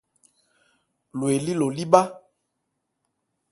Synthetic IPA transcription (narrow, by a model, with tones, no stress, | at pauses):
lo˨e˨li˦lo˨li˦ɓa˦